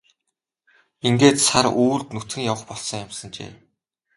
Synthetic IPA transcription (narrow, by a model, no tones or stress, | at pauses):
iŋɡeːt̪saɾuːɮt̪nut̪xɘ̆ŋjawə̆χpɔɮsɞ̆ŋjamsə̆nt͡ɕḛː